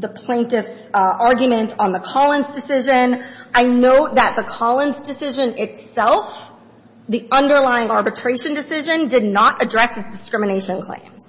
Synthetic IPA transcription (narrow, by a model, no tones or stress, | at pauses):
ðəpʰl̥ẽɪ̃ntɨfs | ʔɑɹɡjɨmɨ̃ntʰn̩ðəkʰɑlˠə̃nzdɨsɪʒɨ̃nʔaɪnoʊt̪̚ðɨt̪̚ðəkʰɑlˠə̃nzdɨsɪʒɨ̃nɪtsɛlˠf | ðiʔʌ̃ndə˞laɪɪ̃ŋɑɹbɨtʰɹ̥eɪʃɨ̃ndɨsɪʒɨ̃ndɨdⁿnəɾʔɨdɹɛshɨzdɨskɹɪ̃mɨneɪʃɨ̃nkʰl̥ḛ̃ɪ̃mz̥